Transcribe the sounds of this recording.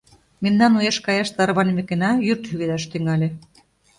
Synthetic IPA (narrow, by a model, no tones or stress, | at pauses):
memnɑnujeʃkɑjɑʃt̪ɑɾβɑnimĕkenɑjyrt̪hyɣed̪ɑʃt̪yŋɑlʲe